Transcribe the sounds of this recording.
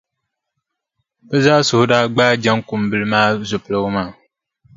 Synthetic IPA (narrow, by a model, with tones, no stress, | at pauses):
bɛ˦zaː˦sʊ˨hʊ˦daː˦ɡ͡baː˦d͡ʒa˦ŋkʊ˨mbɨ˦lɨ˦maː˦zʊ˨pɨ˨la˦maː˦˨